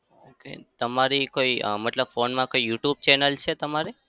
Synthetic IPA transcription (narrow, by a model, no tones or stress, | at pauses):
okḛt̪əmaɾikoiməʈləbfonmãkoijuʈjub̚t͡ʃɛnəlt͡ʃʰet̪əmaɾe